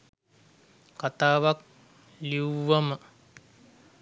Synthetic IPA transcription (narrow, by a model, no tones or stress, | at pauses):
kat̪aːʋak̚ | liuʋɐmə